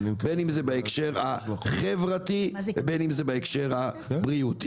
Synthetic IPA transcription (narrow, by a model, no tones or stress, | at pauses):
benimzebaekʃeʁaχevʁativebenimzebaekʃe̞ʁa | bʁiut̪